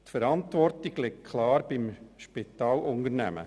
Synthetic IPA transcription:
tfəɾɑntʋɔrtiɡlɛk̚kʰlɑːɾb̥ɪmʃpit̪ɑːlʊnəɾnæ̰mə̰

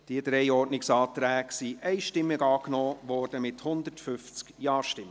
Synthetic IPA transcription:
d̥iəd̪̥ɾɛɪɔːtnɪksɑːt̪ɾæːksiʔɛɪʃtɪmːəɡɑːknɔːʋɔːɾd̥əmɪthʊnd̪ətfʏft͡skjɑːɾʃtɪmə

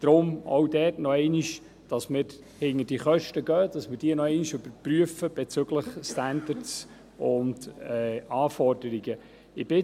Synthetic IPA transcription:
d̥ɾʊmo̰wdɛːtnɔɛɪniʃ | d̥ɑsmɪɾ | hɪŋəd̥iəχœʃtəɡ̥œːd̥ɑsməɾd̥iənɔɛɪniʃɵbəɾpryəfəb̥ɛt͡sʏɡləχstændəɾts | ʊndɛɑːfɔrd̥əɾiɡə | ɪb̥ɪ

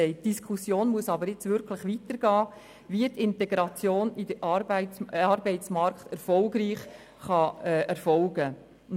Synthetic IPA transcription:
ɛɪt̚d̥iskʰusjoːnmuəsɑbəɾɪt͡sʋʏɾkʰləχʋitəɾɡ̥ɑː | ʋiətɪntɛɡɾɑt͡sjoːnidəʔɑɾbæɪɑɾbɛɪt͡smɑɾkχtɛɾfɔlɡɾiːχ | χɑɛɛɾfɔlɡə

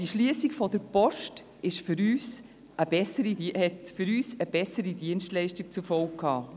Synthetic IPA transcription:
d̥iʃliəsiɡfɔdəɾpɔʃt | ɪʃfʏɾyːs | ʔəb̥ɛsəɾihɛtfyɾyːsəb̥ɛsəɾidiənstlɛɪʃtik̚t͡sufɔʊkkʰːɑː

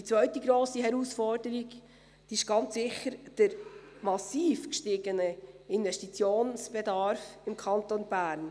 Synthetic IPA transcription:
dit͡sʋœʏtiɡɾoːsiɦɛɾusfɔrd̥əɾiɡ | d̥iːɪʃɡ̥ɑnt͡ssɪχəɾd̥əɾmɑsiːfkʃtɪɡənəɪnvɛʃtit͡sjoːnsb̥ɛdɑɾfɪmkʰɑnt̪onbæːɾn

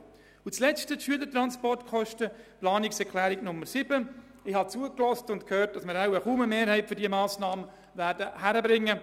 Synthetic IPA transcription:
ʊt͡slɛt͡stətʃyələtɾɑnspɔrtkχɔʃtəplɑːnɪksɛɾkʰlæːɾɪɡnʊmːəɾsɪb̥ə | ɪhɑt͡suəklɔstʊntkʰhøːɾt̚d̥ɑsmɪɾawəχuːməmeːɾhɛɪtfʏɾdiəmɑːsnɑːmə | væːɾdəhæɾəbɾɪŋːə

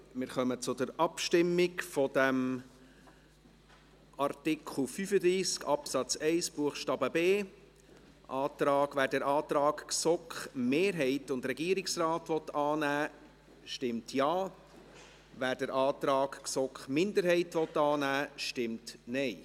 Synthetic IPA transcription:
mɪːɾχœmət͡sʊdəɾɑpʃtɪmːɪkfɔdɛm | ʔɑɾtɪkʰl̩ˠfyfəd̪ɾiːskɑpsɑt͡sɛɪsb̥uəχʃtɑːbəbeː | ʔɑːtɾɑːɡvæːɾdəɾʔɑːt̪ɾɑːkksɔkχmeːɾɦɛɪtʊndɾɛɡiːɾɪksrɑːtʋɔt̪ɑːnæː | ʃtɪmtʰjɑː | væːɾdəɾʔɑːt̪ɾɑːɡksɔkχmɪndəɾɦɛɪtʋɔt̪ːɑːnæːʃtɪmtnɛɪ

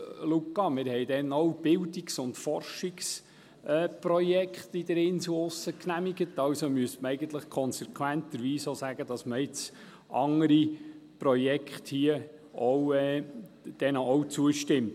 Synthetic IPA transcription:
lukːɑmɪɾhɛjd̥ɛnowb̥ɪldiksʊntfɔrʃiks | ɛːprɔjɛkχtid̥əɾɪnsl̩ʊsəknæmiɡətɑwsomyəstməɛɪɡənt̪ləχkʰɔnsɛkʰwænt̪əɾʋiːsosæɡ̥əd̥ɑsməɪt͡s | ʔɑŋːəɾipɾɔjɛkχthiə | ʔɔwɛ | d̥ɛnɔwt͡suəʃtɪmt

